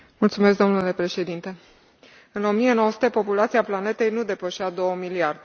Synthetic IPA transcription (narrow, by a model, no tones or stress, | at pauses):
mult̪sume̞s̬k̚d̪o̞mnule̞pɾe̞ʃe̞d̪int̪e̞ | ɨno̞mije̞no̞wəsut̪epo̞pulat̪siaplane̞t̪e̞jnud̪e̞pəʃad̪o̞wəmiliard̪e